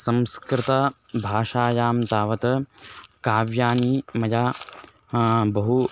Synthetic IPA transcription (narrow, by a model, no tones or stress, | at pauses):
sɐmskɾɪt̪ɐ | bʱaːʃaːjaːmt̪aːʋɐt̪ɐkaːʋjaːnimɐjaː | bɐɦu